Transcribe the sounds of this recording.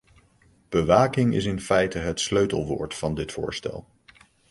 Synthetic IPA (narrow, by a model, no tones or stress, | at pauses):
b̥əʋaːkɪŋɪ̰s̬ɪnfɛjtəɦətsløɥtəlˠʋo̰ːɹtfɑndɪtfʊ̰ːɹstɛ̰lˠ